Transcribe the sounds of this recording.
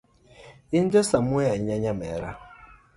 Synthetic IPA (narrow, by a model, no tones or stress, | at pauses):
ind͡ʒɔsamujaiɲaɲamɛɾa̰